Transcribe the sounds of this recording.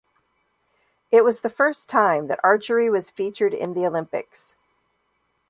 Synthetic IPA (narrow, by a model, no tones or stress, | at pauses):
ɪt̚wʌzðɨfɜ˞stʰãɪ̃mðɨ̰ɾɑɹt͡ʃə˞iwʌz̥fit͡ʃə˞ɾɪ̰̃nðioʊlɪ̃mpɨ̰ks